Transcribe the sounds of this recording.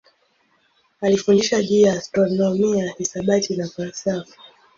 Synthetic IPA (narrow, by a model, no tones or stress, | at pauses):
alifundiʃaʄujaːstɾɔnɔmiahisaɓatʰinafalsafi̥